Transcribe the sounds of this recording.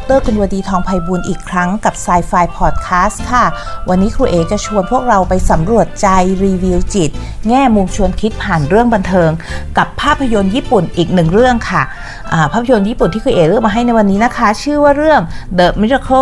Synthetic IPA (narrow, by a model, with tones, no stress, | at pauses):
k̚t̪ɤː˥˩kʰu˧nwaː˧diː˧t̪ʰɔː˧ŋpʰa˧jbuː˧nʔiː˨˩kʰɾa˦˥ŋka˨˩p̚saː˧jfaː˧jpʰɔː˨˩t̪̚kʰaː˦˥st̪kʰa˥˩ | wa˧nːiː˦˥kʰɾuː˧ʔeː˨˩k̚t͡ɕa˨˩t͡ɕʰu˧ənpʰu˥˩ək̚ɾa˧wpa˧jsa˩˦mɾu˨˩ət̪̚t͡ɕa˧jɾiː˧wi˧wt͡ɕi˨˩t̪̚ŋɛː˥˩mu˧mt͡ɕʰu˧ənkʰi˦˥t̪̚pʰaː˨˩nɾɯ˥˩əŋba˧nt̪ʰɤː˧ŋka˨˩pʰːaː˥˩pʰːa˧jo˧njiː˥˩pu˨˩nʔiː˨˩k̚nɯ˨˩ŋɾɯ˥˩əŋkʰa˥˩ | ʔaː˨˩pʰaː˥˩pʰːa˧jo˧njiː˦˥˩pu˨˩nt̪ʰiː˥˩kʰuː˧eː˨˩ɾɯ˥˩əŋma˧ɦa˥˩jna˧˩jwa˧nːiː˦˥na˦˥kʰa˦˥t͡ɕʰɯː˥˩waː˥˩ɾɯ˥˩əŋdɤː˨˩t̪̚mi˦˥ɾa˧kʰo˥˩